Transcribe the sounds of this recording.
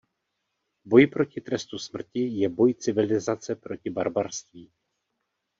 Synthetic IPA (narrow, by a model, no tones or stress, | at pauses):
bo̞jpɾo̞cɪt̪ɾɛst̪usmr̩cɪjɛbo̞jt͡sɪvɪlɪzat͡sɛpɾo̞cɪbaɾbaɾst̪viː